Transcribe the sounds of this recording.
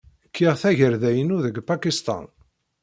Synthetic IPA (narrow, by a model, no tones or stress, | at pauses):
kʰːiʁθæʝəɾðæjənuðəɡpakist̪ɑ̰n